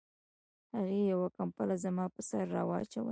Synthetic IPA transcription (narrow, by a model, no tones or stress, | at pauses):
haɣejawakampalazamɑpəsaɾːɑ̰waat͡ʃa̰wə̰